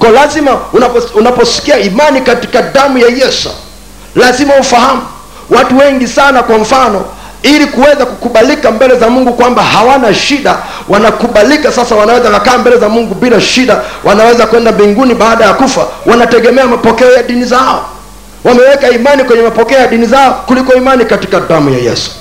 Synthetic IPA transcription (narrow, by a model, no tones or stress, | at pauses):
kɔlazimanaunapɔsi̥kiaimanikati̥kaɗamujajɛsa̰ | lazimaufahamu | watuwɛŋɡisanakwaɱ̩fanɔ | ilikuwɛzakukuɓalikambɛlɛzamuŋɡukwambahawanaʃiɗa | wʔanakuɓalikasasawanawɛzakakaːmbɛlɛzamuŋɡubilaʃiɗawʔanawɛzakuwɛndambiŋɡuniɓaːɗajakufawʔanatɛɡɛmɛamapɔkɛɔjaɗinizaɔ | wamɛwɛkaimanikwɛɲɛmapɔkɛɔjaɗinizaɔkulikɔimanikati̥kadamuja̰jɛ̰su̥